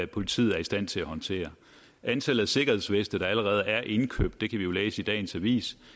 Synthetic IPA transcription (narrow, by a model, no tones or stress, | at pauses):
æpʰo̝lit͡sʰḭːð̩ˠæɐisd̥æn̰t͡sʰe̝læhɒ̽nt͡sʰe̝̰ːɐ | ʔænt͡sʰel̰ðˠæse̝ɡ̥ɐhe̝ðˠsʋesd̥əd̥ɑ̈æləʁɛːð̞̩ˠæɐʔe̝nkʰø̰b̥̚d̥ːe̝kʰæʋijo̝leːsəid̥ɛ̰ːnsæʋḭːs